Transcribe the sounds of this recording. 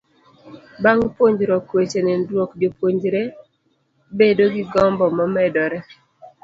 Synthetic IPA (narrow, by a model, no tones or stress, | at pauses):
baŋpwoɲd͡ʒɾɔkwet͡ʃenɪndwokd͡ʒopwoɲd͡ʒɾe | bedoɡiɡɔmbɔmɔmɛdɔɾɛ